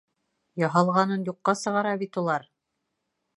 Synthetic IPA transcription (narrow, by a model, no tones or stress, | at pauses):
jɑɦɑlˠʁɑnɤnjuqːɑsɤ̆ʁɑɾɑbit̪ulˠɑɾ